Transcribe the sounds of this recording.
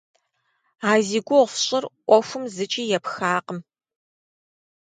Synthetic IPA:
aːziːɡʷʊʁʷfɕʼɪrʔʷɔxʷʊmzɨt͡ʃʼiːjɛpxaːqəm

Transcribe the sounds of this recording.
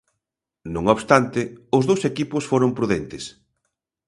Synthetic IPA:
nõŋoβst̪ant̪ɪʊzðowsekipʊsfoɾʊmpɾuðent̪ɪs

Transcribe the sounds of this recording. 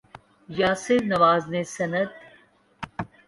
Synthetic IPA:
jaːseɾnɐʋaːznesɐnɐd̪̚

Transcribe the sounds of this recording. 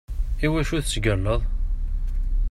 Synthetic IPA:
iwæʃuðt͡sɡəlːəðˤ

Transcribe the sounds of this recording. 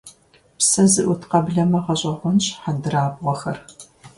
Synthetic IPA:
psɐzɨʔʷʊtqɐbɮɐmɐʁɐɕʼɐʁʷʊnɕħadɨraːbʁʷɔxɐr

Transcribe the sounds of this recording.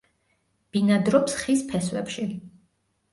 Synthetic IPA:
b̥inad̪ɾɔpsχispʰɛswɛpʃi

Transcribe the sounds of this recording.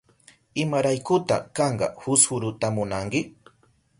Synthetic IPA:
ɪmaɾajkʊt̪a̰kɑɴɢɑ̰hʊshʊɾʊt̪amʊnaŋkɪ

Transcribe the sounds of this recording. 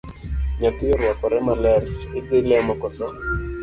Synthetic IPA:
ɲat̪ɪɔɾwakɔɾɛmalɛrɪtɪlɛmakɔt͡sɔ

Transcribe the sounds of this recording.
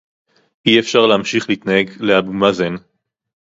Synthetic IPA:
iefʃaʁleamʃiχliit̪nahe̞ɡleabumazen

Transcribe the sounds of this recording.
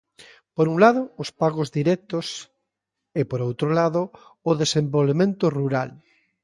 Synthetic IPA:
poɾuŋlaðʊːspaɣozðiɾɛk̚t̪os | epoɾowt̪ɾolaðoːðesẽmbolβemẽnt̪oruɾal

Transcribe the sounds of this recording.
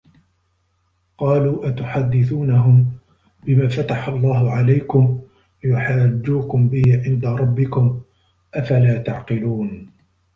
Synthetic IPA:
qɑːluːʔat̪ʊħad̪ːɪθuːnaɦʊm | bɪmaːfat̪aħalˤːɑːhʊʕalajkʊm | lɪjʊħaːd͡ʒːuːkʊmbɪhɪʕɪnd̪aɾˤɑbːɪkʊm | ʔafalaːt̪aʕqɪluːn

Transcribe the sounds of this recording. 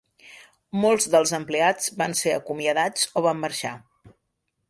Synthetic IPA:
molˠzðəlˠzəmplead͡zβanseə̰kumiəðad͡zoβ̞amːəɾʃa

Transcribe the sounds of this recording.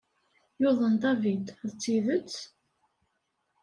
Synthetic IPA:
jʊðˤənd̪ɑvid̪ðt͡sːiðət͡sː

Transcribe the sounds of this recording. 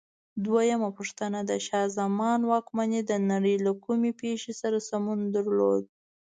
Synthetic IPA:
d̪wajamapuʂt̪ənad̪aʃɑzamɑnwɑkmaned̪ənaɽəjlakumepeʃesaɾasamund̪aɾlod̪̚

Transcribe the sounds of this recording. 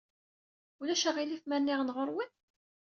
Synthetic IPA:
ulæʃəʁilifmænːiʁnʁoɾˤwən

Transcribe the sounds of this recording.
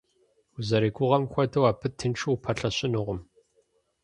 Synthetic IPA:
ʊzɐɾeːɡʷʊʁɐmxʷɐtʰɐwaːpʰɨtʰɨnʈ͡ʂʰɨwpʰɐɬɐɕɪnɨʁʷʊm

